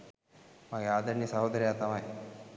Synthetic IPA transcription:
maɡead̪əɳːiːsaɦod̪əɾiat̪amaj

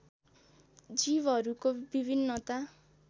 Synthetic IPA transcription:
d͡zibʌɾukobibʱinːʌt̪a

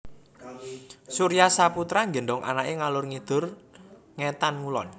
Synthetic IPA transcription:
suɾijasaput̪ɾaŋɡə̤nɖɔŋʔa̰naʔeŋalʊrŋid̪̥ʊ̤r | ŋet̪anŋulɔ̰n

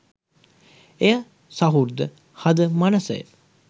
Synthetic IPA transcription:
eja | sɐɦuɾd̪ə | hɐd̪əmɐnɐsə̰jə̰

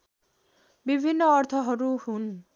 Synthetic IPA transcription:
bibʱinːʌːrt̪ʰʌɦʌɾuɦun

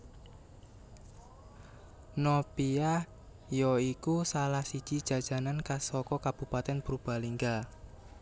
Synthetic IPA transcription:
nɔpiah | jɔikusalahsid̥ʒ̥id̥ʒ̥ä̤d̥ʒ̥a̤nankasɔkɔkab̥ṳpat̪ɛnpɾub̥a̤liŋɡa

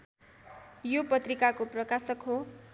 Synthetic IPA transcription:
jopʌt̪rikakoprʌkasʌkɦo

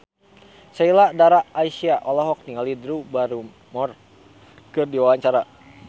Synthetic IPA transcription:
sailadaɾaːisiaʔɔlɔɦɔk̚t̪iŋalidɾubaɾu | mɔr | kɨrdiwawaɲt͡ʃaɾa

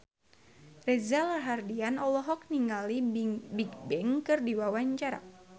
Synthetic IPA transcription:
rɛzalarɦardianɔlɔɦɔk̚niŋalibik̚bɛŋkɨrdiwawaɲt͡ʃaɾa̰

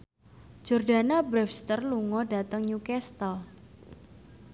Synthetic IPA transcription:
d͡ʒ̥ɔrda̤nabɾɛfst̪ərluŋɔda̤t̪əŋɲukɛst̪əl

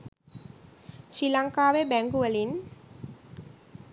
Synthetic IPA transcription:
ʃilaŋkaːʋebæŋɡuʋəlin

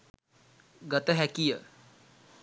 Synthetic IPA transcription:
ɡət̪əɦɛkijə

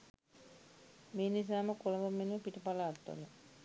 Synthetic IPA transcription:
meːnis̬aːməkoləməmenepiʈəpalaːt̪ːo̰lə

